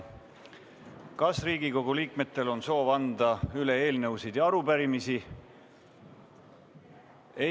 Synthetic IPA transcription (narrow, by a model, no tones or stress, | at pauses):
kɑsriːɡiko̞ɡ̥uliːkme̞t̪ːˑe̞lo̞nso̞ːvɑnd̪̥ɑyle̞eːlnɤwsid̪̥jɑɑɾupæɾimisi | e